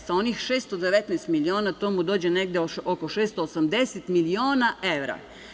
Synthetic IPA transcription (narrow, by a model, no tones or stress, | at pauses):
sao̞nixʃeːst̪od̪eʋet̪nɛjst̪milioːnat̪oːmud̪o̞ːd͡ʑeneɡd̪eookoʃeːst̪oːsamd̪eset̪milioːnaeʋɾa̰